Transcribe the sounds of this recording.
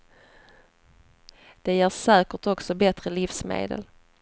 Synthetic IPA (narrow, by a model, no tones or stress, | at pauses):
d̪̥ɛjæːʂɛːkəʈɔksɔbɛt̪ɾəlɪfsmḛːd̪ə̰l